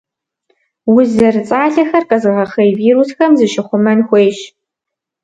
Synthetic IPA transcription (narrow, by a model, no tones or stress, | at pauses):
wʊzɐrɨt͡sʼaːɮɐxɐrqʼɐzɨʁɐχɐjviːɾusxɐmzɨʃɪχʷʊmɐnxʷejɕ